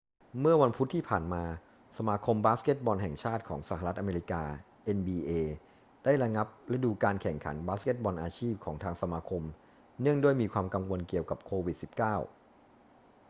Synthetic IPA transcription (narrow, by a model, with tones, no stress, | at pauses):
mɯ˥˩ɐwa˧npʰu˦˥t̪ʰːiː˥˩pʰaː˨˩nmaː˧ | sa˧maː˧kʰo˧mbaː˦˥ske˦˥t̪̚bɔː˧nɦɛ˨˩ŋt͡ɕʰaː˥˩t̪̚kʰɔː˩˦ŋsa˧˩ha˧ɾa˦˥ʔa˧meː˧ɾi˦˥kaː˧ | ʔe˧nbiː˧ʔeː˧ | d̥aː˥˩jɾa˧ŋa˦˥p̚ɾa˧duː˧kaː˧nkʰɛ˨˩ŋkʰa̰˩˦nbaː˦˥ske˦˥t̪̚bɔː˧nʔaː˧t͡ɕʰiː˥˩p̚kʰɔː˩˦ŋt̪ʰaː˧ŋsa˧maː˧kʰo˧m | nɯ˥˩əŋdu˥˩əjmiː˧kʰwaː˧mka˧ŋwo˧nki˨˩əwka˨˩p̚kʰoː˧wi˨˩si˨˩p̚kaː˥˩w